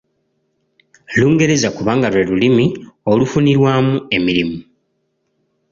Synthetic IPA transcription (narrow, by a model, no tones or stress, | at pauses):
luːŋɡe̞ɾe̞zakuβaːŋɡalwe̞lulimiolufuniɾwaːmue̞miɾimu